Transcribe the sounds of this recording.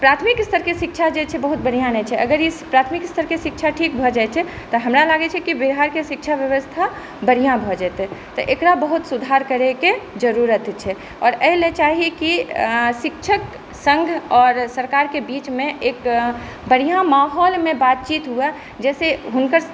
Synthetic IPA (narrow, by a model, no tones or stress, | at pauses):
pɾat̪ʰmikst̪ʰəɾkesikt͡ʃʰad͡ʒet͡ʃʰɛbəɦut̪̚bəɽ̤ijãnɛt͡ʃʰɛʔə̰ɡəɾjespɾat̪ʰmikst̪ʰəɾkeʃik̚t͡ʃʰaʈʰikbʱɔd͡ʒaɛt͡ʃʰɛ | t̪ɔɦəmɾalaɡɛt͡ʃʰɛkibiɦaɾkeʃik̚t͡ʃʰabjəʋəst̪ʰa | bəɽijãbʱɔd͡ʒɛːt̪ɛt̪ɔʔekɾabəɦut̪sud̪ʱaɾkəɾeked͡ʒəɾuɾət̪t͡ʃʰɛ | ɔːɾɛɦlet͡ʃaɦikisik̚t͡ʃʰək | sə̃ŋɡʱɔːɾsəɾkaːɾkebit͡ʃmẽʔek | bəɾ̤ijãmaɦɔlmẽbat̪̚t͡ʃit̪ɦuɛ | d͡ʒɛːseɦunkəɾ